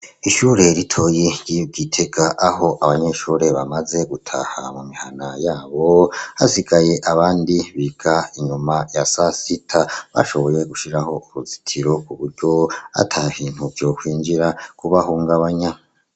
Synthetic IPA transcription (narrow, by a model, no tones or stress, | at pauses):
iʃuːɾe̞ɾitʰo̞jeɟiɟitʰe̞ɡaʔaɦo̞ʔaβaɲeʃuːɾe̞βamaze̞ɡutʰa̰ha̰mumihanajaːβo̞haziɡaje̞ʔaβaːndiβiɡ̥aiɲumajasasitʰaβa̰ʃo̞βo̞je̞ɡuʃiɾaho̞uβuzitʰiɾo̞kuβuɾɟo̞a̰tʰahiːn̥huvjo̞kwiːɲd͡ʒiɾakuβahuːŋɡaβaɲa